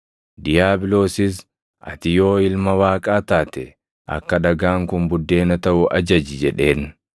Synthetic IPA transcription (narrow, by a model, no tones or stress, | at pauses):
d̪ɪjaːbɪlo̞ːsɪs | ʔɐ̰t̪ɪjo̞ːɪlmɐwaːkʼaːt̪aːt̪ɛ | ʔɐ̰kːɐᶑɐɡaːŋkʊmbʊd̪ːe̞ːnɐt̪ɐʔʊʔɐd͡ʒɐd͡ʒɪd͡ʒɛᶑe̞ːn